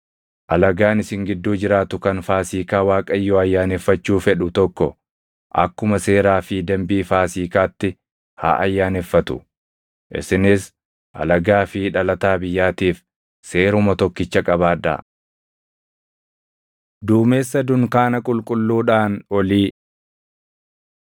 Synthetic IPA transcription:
ʔɐlɐɡaːnɪsɪŋɡɪd̪ːuːd͡ʒɪɾaːt̪ʊkɐnfaːsiːkaːwaːkʼɐjːɔɐjːaːnefːɐt͡ʃːuːfɛᶑʊt̪ɔkːɔ | ʔɐ̰kːʊmɐse̞ːɾaːfɪd̪ɐmbiːfaːsiːkaːt̪ːɪ | ha̰ːʔɐjːaːnefːɐt̪ʊ̥ | ʔɪ̰sɪnɪs | ʔɐ̰lɐɡaːfɪᶑɐlɐt̪aːbɪjːaːt̪iːf | se̞ːɾʊmɐt̪ɔkːɪt͡ʃːɐkʼɐβaːd̪ɐ̰ | d̪uːme̞ːsːɐd̪ʊŋkaːnɐkʼʊlkʼʊlːuːᶑaːnɔliː

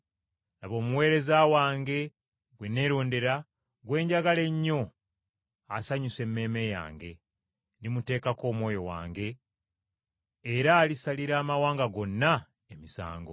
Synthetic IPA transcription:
naβo̞ːmuwe̞ːɾe̞zawaːŋɡe̞ | ɡwene̞ːɾoːnde̞ɾa | ɡwe̞ːɲɟaɡale̞ɲːo̞ | asaɲuse̞mːe̞ːme̞ja̰ːŋɡe̞ | ndimute̞ːkako̞ːmwo̞ːjo̞wa̰ːŋɡe̞ | ɾaːlisaliɾaːmawaːŋɡaɡo̞nːa | emisa̰ːŋɡo

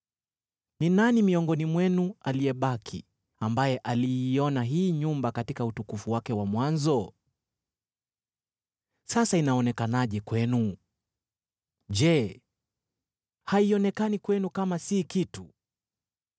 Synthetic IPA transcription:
ninanimiɔŋɡɔnimwɛnualiɛɓakʰḭ | ambajɛʔaliːɔnaɦiːɲumbakatikautukufuwakɛwamwanzɔ | sasainaɔnɛkanaʄɛkwɛnu | ʄɛ | haiɔnɛkanikwɛnukamasikitu

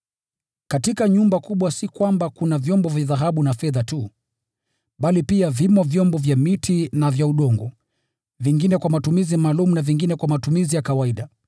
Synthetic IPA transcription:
katikaɲumbakuɓwasikwambakunavjɔmbɔvjaðaɦaɓunafɛðatu | ɓalipiavimɔvjɔmbɔvjamitʰinavjauɗɔŋɡɔ | viŋɡinɛkwamatumizimaːlumunaviŋɡinɛkwamatumizijakawaiɗa

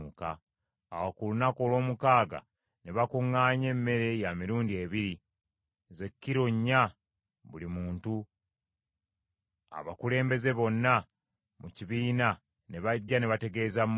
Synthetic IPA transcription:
ukaː | wokulunakolo̞ːmukaːɡa̰ | neβakuŋːaːɲe̞mːe̞ɾe̞jamiɾuːndie̞ːβiɾi | ze̞kːiɾoɲːa | βulimuːntu | a̰βakule̞ːmbe̞ze̞βo̞nːa | muciβiːna | ne̞βaɟːaneβate̞ɡe̞ːzam

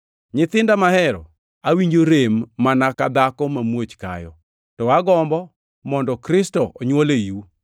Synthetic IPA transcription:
ɲɪt̪ɪndamahɛɾɔ̰ | awiɲd͡ʒoɾemːanakad̪akɔmamwot͡ʃka̰jɔ | tɔaɡɔmbɔ | mɔndɔkɾɪstɔʔɔɲwoleju

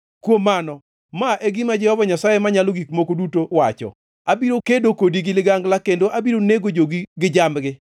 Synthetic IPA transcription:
kwomanɔ | maʔeɡɪmad͡ʒɛhɔvaɲasajemaɲaloɡikmokodutowat͡ʃɔ̰ | abiɾokedokodiɡɪlɪɡaŋɡlakendoʔabiɾoneɡod͡ʒoɡiɡɪd͡ʒamɡɪ

